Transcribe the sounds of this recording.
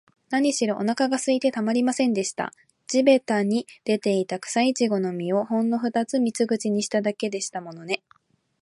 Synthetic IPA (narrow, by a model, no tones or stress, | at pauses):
naɲ̟iɕiɾo̞ʔo̰nakaɡasɨit̪e̞t̪amaɾʲimasẽ̞nd̪e̞ɕi̥t̪a̰ | d͡ʑibe̞t̪aɲ̟id̪̥e̞t̪e̞it̪akɯ̟̥sait͡ɕiɡo̞no̞mʲio̞hõ̞nːo̞ɸɯ̟d̪at͡sɨmʲit͡sɨɡɯ̟t͡ɕiɲ̟iɕi̥t̪ad̪ake̞d̪e̞ɕi̥t̪amo̞no̞ne̞